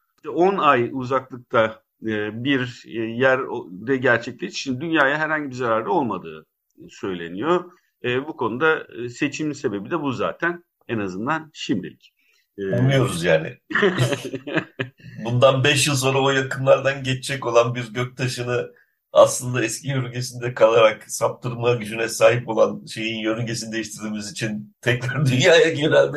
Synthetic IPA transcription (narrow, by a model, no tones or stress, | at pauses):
i̥t̪ɛo̞najuzaklˠɯk̚t̪ʰaː | biɾjæɾd̪ɛɟæɾt͡ʃʰɛclʲeʃt̪i̥ʃimd̪id̪ynjaːjaɦæɾhaɲɟibizaɾaːɾlio̞lˠmad̪ɯ̰ː | sø̞jlʲe̞̰nijo̞ | bukʰo̞nud̪ase̞t͡ʃʰimnse̞be̞bid̪ɛbuza̰ːt̪ʰæn | ɛnazɯnd̪anʃimd̪ḭlʲcː | unujo̞ɾuzjaːnɪ̰ | bund̪anbɛʃjɯlˠs̬o̞nɾaojakɯnlˠaɾd̪anɟɛt͡ʃt͡ʃʰɛco̞lˠanbiɾɟøc̚t̪ʰaʃɯnɯ | a̰slˠɯnd̪aɛscijøɾyɲɟʰesind̪ɛkʰalˠaɾaksap̚t̪ʰɯɾmaɟyd͡ʒynɛsaːɦipo̞lˠanʃe̞jinjøɾyɲɟesinid̪ejiʃt̪ʰiɾd̪iːmizit͡ʃʰint̪ʰɛclaɾd̪ynjaːjaɟeɾælʲd̪